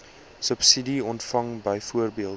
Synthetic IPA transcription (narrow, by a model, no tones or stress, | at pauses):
səpsidiɔntfɐŋbəjfuərbiəlˠ